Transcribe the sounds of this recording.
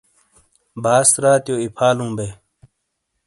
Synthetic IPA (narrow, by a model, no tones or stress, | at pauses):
bʱaːsɾaːt̪joːipʰaːlũːbeː